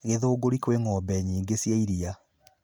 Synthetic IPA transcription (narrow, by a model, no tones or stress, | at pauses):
ɣeðoːɡoɾikweŋɔbɛɲiːŋɡesjaiɾia